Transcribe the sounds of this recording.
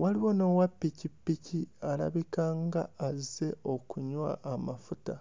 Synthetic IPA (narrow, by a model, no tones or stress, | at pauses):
waliwo̞no̞wapːicipːiciala̰βikaːŋɡa̰ːze̞o̞kuɲwa̰ʔːmafuta